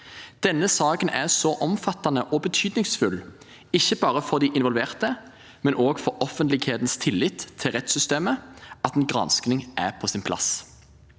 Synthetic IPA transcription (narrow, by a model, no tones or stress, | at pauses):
d̪̥ɛnːəsɑːkənæʁsɔʔɔmfɑt̪ːɑnəʔɔbət̪ʰyːd̪nɪŋsfʉl | ɪçːəbɑːʁəfɔʁd̪iʔɪnʋɔlʋeːʁt̪ə | mɛnʔoːɡfɔɾɔfənt̪lɪɡheːt̪n̩st̪ʰɪlːɪt̪ʰːɪlʁɛt̪sʏst̪eːməɑt̪eːnɡʁɑ̰nsknɪŋʔæpʰɔsɪnpʰlɑ̰s